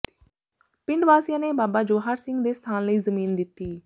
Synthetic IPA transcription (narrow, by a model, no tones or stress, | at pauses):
pɪ̃ɳɖʋaːsjãːneːbaːbaːd͡ʒoːɦaːɾsɪŋɡd̪eːst̪ʰaːnləiːzəmiːnd̪ɪt̪ːiː